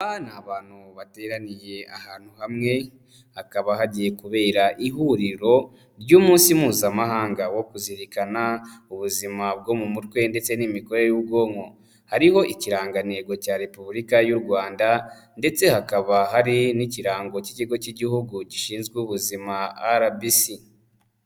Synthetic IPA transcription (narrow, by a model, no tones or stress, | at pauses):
aβaːnaːβaːn̥huβate̞ːɾanije̞ahaːn̥huhamŋe̞ | hakaβahaɟije̞kuβe̞ːɾaʔiɦuɾiɾo̞ | ɾɟuːmuːnsimuːzamaɦaːŋɡawo̞kuziɾikanauβuzimab̚ɡo̞mumutwe̞nde̞t͡senimiko̞ɾe̞juβɡo̞ːŋo̞ | haɾiho̞ʔiciɾaːŋɡaneːɡo̞caɾe̞puβulikajuɾɡwaːnda | nde̞t͡se̞hakaβaɦaɾiniciɾaːŋɡo̞ciciɡo̞ciɟihuɡuci̥ʃiːnzɡwuβuzimaaɾabisi